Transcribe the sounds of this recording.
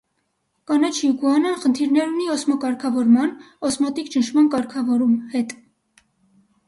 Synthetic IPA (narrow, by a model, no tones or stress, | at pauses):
kɑnɛt͡ʃʰjukuɑnəχənt̪ʰiɾnɛɾuniɔsmɔkɑɾkʰɑvɔɾmɑn | ɔsmɔt̪ikt͡ʃənʃʰmɑnkɑɾkʰɑvɔɾumhɛt̪